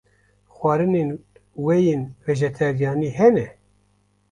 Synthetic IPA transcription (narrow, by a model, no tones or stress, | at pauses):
xwɑːɾɨnenwɛjeːnvɛʒɛt̪ʰɛɾijɑːniːɦɛnɛ